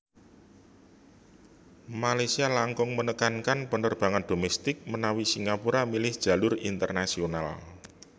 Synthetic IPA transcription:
malajsialaŋkʊŋmənəkankanpənərb̥a̤ŋand̥o̤mɛst̪ɪk̚mənawisiŋɡapuɾamilɪhd̥ʒ̥ä̤lʊrint̪ərnasional

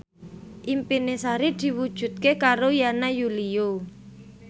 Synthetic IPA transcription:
ʔimpinesaɾid̪̥i̤wud̥ʒ̥ṳt̪̚kekaɾojanajulio

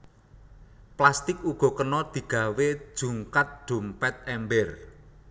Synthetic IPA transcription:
plast̪ɪkuɡ̥ɔ̤kənɔd̪̥i̤ɡ̥ä̤we̥ʒ̥ṳŋkat̪̚ɖ̥ṳmpɛt̪̚ɛmbɪr

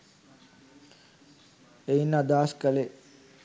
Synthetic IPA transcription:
einad̪aːskəle

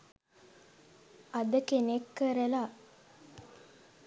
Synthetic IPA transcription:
ɐd̪əkenekːəɾela

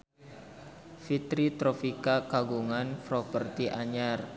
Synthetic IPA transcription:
fit̪ɾit̪ɾofikakaɡuŋanfɾopərt̪iʔaɲar

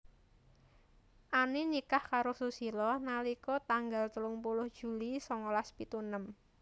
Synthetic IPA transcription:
ʔaninikahkaɾosusilɔnalikɔt̪aŋɡalt̪əlʊŋpulʊhd̥ʒ̥ṳlisɔŋolaspit̪unəm

